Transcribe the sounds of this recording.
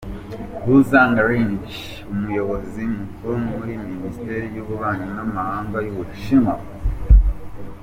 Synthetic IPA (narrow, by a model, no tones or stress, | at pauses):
huzaːŋɡaɾiɲd͡ʒ | umujo̞βozimukumuɾiministeɾijuβuβaːɲanamahaːŋɡajuβuʃima